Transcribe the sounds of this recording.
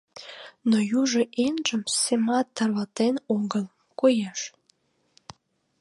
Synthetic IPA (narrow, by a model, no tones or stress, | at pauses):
nojuʒeʔenʒə̆msemɑt̪ːɑrlɑt̪enoɡəl | kojɑʃ